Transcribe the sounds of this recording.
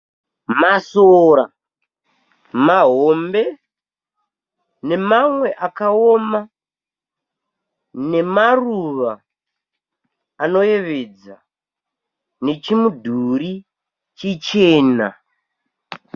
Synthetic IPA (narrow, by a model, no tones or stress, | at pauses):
masoɾa | maɦo̞mbe̞ | ne̞mamwe̞ʔakaoma | ne̞maruʋa | no̞je̞ʋe̞d͡za | ne̞t͡ʃimudʱuɾi | t͡ʃit͡ʃeːna̰